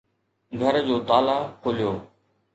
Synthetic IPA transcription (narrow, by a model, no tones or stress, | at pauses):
ɡʱəɾd͡ʑoːt̪aːlaːkʰoːlijoː